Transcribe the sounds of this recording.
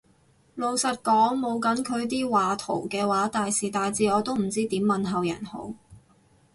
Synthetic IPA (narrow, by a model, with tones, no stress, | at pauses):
lo˨wsɐ˨t̚kɔː˨˥ŋmo˨˧wkɐ˨˥nkʰɵ˨˧ɥt̪̬iː˥waː˨˧t̪ʰo̰˨˩wkɛː˧waː˨˥t̪aː˨jsiː˨˩t̪aː˨jt͡siː˨˧ɔː˨˧t̪o˥wm̩˨˩t͡siː˥t̪iː˨˥mːɐ˨nɦɐ˨wjɐ̰˨˩nho̰˨˥w